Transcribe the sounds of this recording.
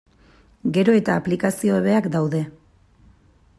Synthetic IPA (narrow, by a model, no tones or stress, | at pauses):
ɡe̞ɾo̞e̞t̪aːplikasio̞eβe̞akd̪awðe̞